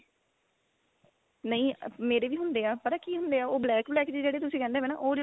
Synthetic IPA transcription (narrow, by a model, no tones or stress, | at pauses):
nəĩːmeːɾeːʋiːɦʊnd̪eːaːpəɾakiːɦʊ̃nd̪eːaːoːblɛːkblɛːkd͡ʒiːd͡ʒeːɽeːt̪ʊsĩkɛ̃ːnd̪eːʋeːna̰ːʔoː